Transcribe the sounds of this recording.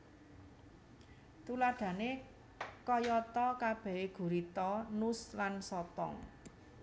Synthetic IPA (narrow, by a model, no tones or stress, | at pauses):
t̪ulaɖ̥ä̤ne | kɔjɔt̪ɔkab̥ɛ̤eɡ̥ṳɾit̪ɔnuslansɔt̪ɔ̰ŋ